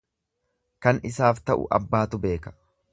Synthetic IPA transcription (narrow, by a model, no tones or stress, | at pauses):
kɐnɪsaːft̪ɐʔʊ̰ʔɐ̰bːaːt̪ʊbe̞ːkɐ̥